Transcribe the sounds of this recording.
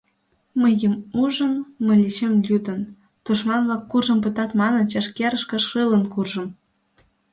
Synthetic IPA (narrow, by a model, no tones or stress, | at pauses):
məjəmuʒə̆mːə̆lʲit͡ɕemlʲyd̪ə̆n | t̪uʃmɑnvlɑkːurʒɤ̆mp̬ə̆t̪ɑt̪mɑnɤ̆nt͡ɕɑʃkʲeɾəʃkɤ̆ʃrɨlə̆nkurʒɤ̆m